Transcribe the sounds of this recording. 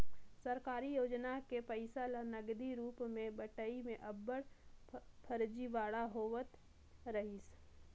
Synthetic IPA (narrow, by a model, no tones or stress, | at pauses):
səɾkaːɾijoːd͡ʒnakepəɪsalənɐɡd̪iɾuːpmẽbəʈəimẽʔɐbːəɽ | pʰəɾd͡ʒiʋaːɽaɦoːʋət̪ | ɾəɦis